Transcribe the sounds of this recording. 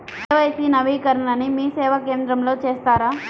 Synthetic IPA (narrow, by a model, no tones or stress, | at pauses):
eʋajsinɐʋikəɾɳanimiseːʋakeːnd̪ɾəmlot͡ʃeːst̪aːɾa